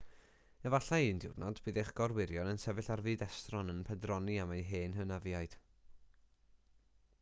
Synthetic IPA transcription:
ɛvaɬaindɪwrnɔdb̥ɨːðejχɡ̥ɔrwɪɾjɔnənsɛvɨɬarvɨːdɛstrɔnənpʰɛdrɔniamajɦeːnɦənaviajd̥

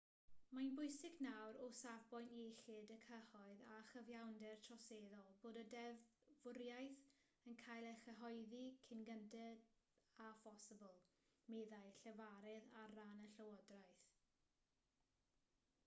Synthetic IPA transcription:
manbʊjsɪɡnawɾʊsavbɔjneɬɪdəkʰəhɔɨðaχəvjawndɛrtʰrɔseːðɔlˠboːdədɛvvʊɾjajθ | ənkʰajlˠɛχəɦɔjðikʰɪnɡəntɛd | afɔsɪbəlˠ | meðajɬɛvaɾɛðaranəɬəwɔdrajθ

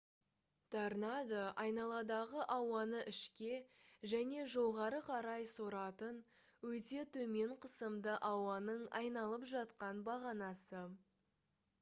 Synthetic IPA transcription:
t̪ɑɾnɑd̪əʔɑjnɑlˠɑd̪ɑʁəʔɑwɑnəʔɪʃkʲe̞ʒæne̞ʒo̞ʁɑɾəqʰɑɾɑjsoɾɑt̪ən | wɵt̪e̞t̪ʰɵme̞ɴqʰəsəmd̪əʔɑwɑnəɴɑjnɑlˠəpʒɑt̪qɑnbɑʁɑnɑsə

